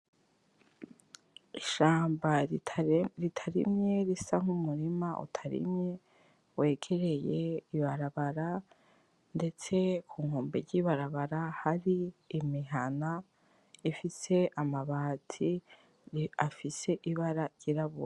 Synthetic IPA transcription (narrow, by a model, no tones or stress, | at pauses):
iʃaːmba | ɾitʰaɾḭmɲe̞ɾisaŋ̥umuɾimaʔṵtʰaɾḭmɲe̞ | we̞ːɡ̥e̞ɾe̞je̞iβaɾaβaɾa | nde̞t͡se̞kʰuːŋ̥oːmbeɾɟiːβaɾaβaɾahaɾiːmiɦana | ifise̞ʔamaβaːtʰi | afise̞ʔiβaɾaɾɟ̥iɾaβṵa